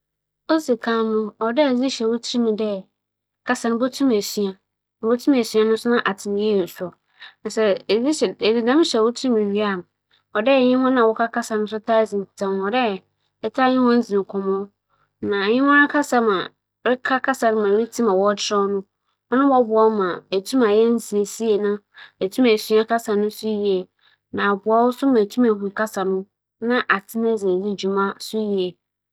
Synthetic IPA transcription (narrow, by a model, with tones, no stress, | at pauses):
o˦si˨kʰã˦mʊ̃˦ɔ˨dɛ˦˨zi˦ɕɛ˨wʊ˦tʰi˦mĩ˨dɛ˦ | kʰa˦sa˨nʊ̃˦bo˦tʰũ˦m˨e˨si˨ã˨ | bo˦tʰũ˦m˨e˨si˦a˦nʊ̃˦sʊ˦nã˦ʔa˨tʰɪ˨m̃˨jɛ˦o˨sɔ˨ | na˨sɛ˨zi˦˨di˨dã˦m̃˦ɕɛ˨wʊ˦tʰɾi˦mĩ˨ɥi˦a˦˨m˨ | ɔ˨dɛ˦˨ɲɪ̃˦hɔ̃˦nã˨wɔ˦kʰa˦ka˦sa˨nʊ̃˦sʊ˦tʰa˦zĩ˨tʰã˦m˨ɔ˨dɛ˦˨ | ɛ˨tʰa˦ɲɪ̃˦wɔ̃˦n̩˦d͡zi˨kʰɔ̃˨m˦ɔ˦ | nã˨ɲɪ̃˦wɔ̃˦ɾã˦kʰa˦sa˨mã˨ | ɾɪ˦kʰa˦kʰa˦sa˨nʊ̃˦mã˨ɾi˦tʰĩ˦mã˨wɔ˦tʰɾɔ˦nʊ̃˦ | ɔ˦nã˦wɔ˦bʊ˨a˦mã˨æ˨tʰũ˦mã˨jɛ˦n̩˦si˨e˨si˦e˨nã˦ | æ˨tʰũ˦mæ˨su˨˦a˦ka˦sa˨nʊ̃˦sʊ˦ji˨ɛ˨ | nã˨bʊ˨a˨˦wʊ˦sʊ˦mã˨tʰu˦mɛ˨ɦũ˨ka˦sa˨nʊ̃˦ | nã˦ʔa˨tʰɪ˦nɛ̃˦d͡ze˨di˦d͡ʑu˨mã˦sʊ˦ji˨ɛ˨